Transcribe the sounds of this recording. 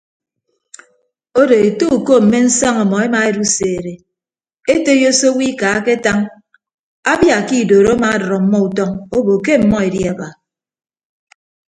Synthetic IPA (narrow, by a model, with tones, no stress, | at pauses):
o˦de˨e˨to˦u˨ko˦m̩˨me˦n̩˦sa˦ŋa˨mɔ˨e˦ma˨e˦ɾu˦seː˨ɾe˨ | e˦te˦jo˦so˦wi˦ka˨˦ke˦ta˦ŋ | a˦bja˨ki˦˨doː˨ɾo˦ma˨a˦dɔ˨ɾɔ˨m̩˦mɔ˦u˨tɔ˦ŋo˦bo˨ke˦m̩˨mɔ˦e˨dji˦a˨ba˨